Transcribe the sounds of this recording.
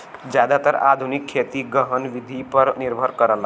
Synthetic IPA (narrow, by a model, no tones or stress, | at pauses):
d͡ʒjaːd̪at̪əɾa̰ːd̪ʱunikʰːeːt̪iɡəɦənʋɪd̪ʱipəɾnɪɾbʱəɾkəɾənla